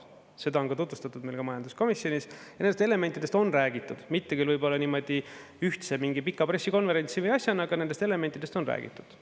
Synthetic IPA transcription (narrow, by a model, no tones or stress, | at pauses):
se̞d̪ɑo̞nkɑt̪ut̪vust̪ɑt̪ːˑud̪̥mejlɡ̥ɑmɑjɑnd̪usko̞misjo̞nisjɑnend̪est̪ele̞me̞nt̪id̪e̞st̪o̞nræːɡ̥it̪ːˑud̪̥mit̪ːekylvɯjbo̞lːɑniːmo̞d̪̥i | yht̪semiŋɡipikːˑɑpre̞sʲːiko̞nve̞ɾe̞nʲt̪sivəjɑsʲjɑnɑɡɑne̞nd̪est̪e̞le̞me̞nt̪ːˑid̪e̞st̪onræ̰ːɡ̥ḭt̪ːˑu̥d̪̥